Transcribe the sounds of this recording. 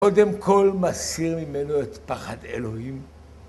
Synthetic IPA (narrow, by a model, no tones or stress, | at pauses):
o̞de̞mko̞lmasiʁmime̞no̞et̪paχade̞̰lo̞him